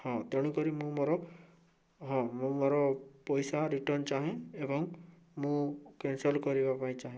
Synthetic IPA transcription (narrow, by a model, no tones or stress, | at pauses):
hɔ̃t̪eɽ̃ũkɔɾimũmoɾɔ | ɦɔ̃mũmoɾɔpɔjsaɾiʈɔnt͡ʃaɦẽebɔŋ | mũkensɔlkɔɾibapaĩt͡ʃaɦẽ